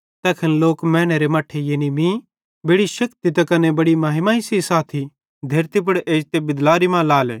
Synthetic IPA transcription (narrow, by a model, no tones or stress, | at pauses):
t̪ɛːkʰɐnloːkmɛ̃ːñeɾemaːʈʰejeːnimĩ | beːɽiʃɐkt̪it̪ɐkɐnebɐɽimaːɦɪmãːisisaːt̪ʰi | d̪ʱɐɾt̪ip̬ɐɽeːd͡ʒt̪ebɪd̪laːɾimãlaːlɛ̰ː